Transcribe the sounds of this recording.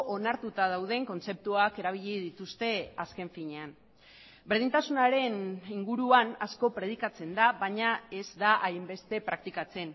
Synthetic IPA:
ʔonaɾt̪ut̪að̞awð̞e̞ŋko̞nt͡se̞p̚t̪uake̞ɾaβ̞iʎiðit̪ust̪e̞aske̞ɱfiɲe̞an | be̞ɾð̞int̪asunaɾe̞niŋɡuɾuanasko̞pɾe̞ð̞ikat͡se̞nd̪aβaɲae̞zd̪aʔajmbe̞st̪e̞pɾak̚t̪ikat͡se̞n

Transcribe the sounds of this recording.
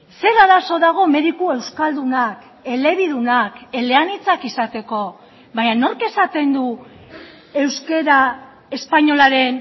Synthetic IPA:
se̞ɾaðaso̞ðaɣ̞o̞me̞ðikue̞wskald̪unak | e̞le̞βiðunake̞le̞anit͡sakisat̪e̞ko̞ | βaɲano̞ɾke̞sat̪e̞nd̪u | e̞wske̞ɾa | e̞spaɲo̞laɾe̞n

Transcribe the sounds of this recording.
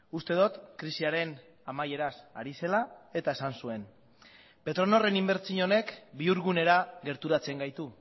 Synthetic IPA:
ust̪e̞ð̞ot̪kɾisiaɾe̞n | amaje̞ɾasaɾise̞lae̞t̪ae̞sansue̞n | pe̞t̪ɾo̞no̞re̞nimbe̞ɾt͡siɲo̞ne̞kbiuɾɣune̞ɾaɣe̞ɾt̪uɾat͡se̞ŋɡajt̪u

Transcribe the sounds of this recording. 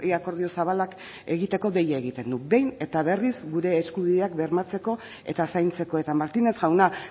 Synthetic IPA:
iako̞ɾðio̞saβ̞alak | e̞ɣ̞it̪e̞ko̞ɣe̞jaeɣ̞it̪e̞nd̪ube̞jne̞t̪aβe̞rizɡuɾe̞ːskuβiðe̞akbe̞ɾmat͡se̞ko̞ | e̞̰t̪asajnt͡se̞ko̞e̞t̪amaɾt̪inesɣawna

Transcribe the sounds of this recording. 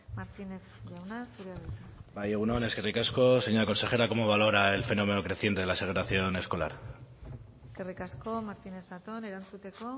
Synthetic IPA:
maɾt̪ine̞θʎawnasuɾeaðebajeɣuno̞ne̞ske̞rikasko̞seɲalako̞nse̞xe̞ɾako̞mo̞β̞alo̞ɾae̞lfe̞no̞me̞no̞kɾe̞θjent̪e̞ðelase̞ɣ̞etaθjo̞ne̞sko̞la̰ɾ | eskerikasko̞maɾt̪ine̞θðat̪o̞ne̞ɾant͡sut̪e̞ko̞

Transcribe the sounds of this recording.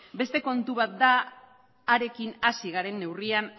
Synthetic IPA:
be̞st̪e̞ko̞nt̪uβat̪̚d̪aː | ɾe̞kinasiɣaɾe̞nːe̞wrian

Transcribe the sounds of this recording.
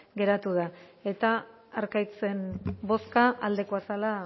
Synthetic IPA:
ɡe̞ɾat̪uð̞ae̞t̪aː | ɾkajt͡se̞nbo̞skaald̪e̞koasala

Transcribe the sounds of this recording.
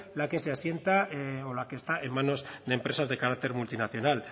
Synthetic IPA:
lake̞se̞asje̞nt̪aolake̞ːst̪ae̞mːano̞zðempɾe̞sazðe̞kaɾak̚t̪e̞ɾmult̪inaθjo̞nal

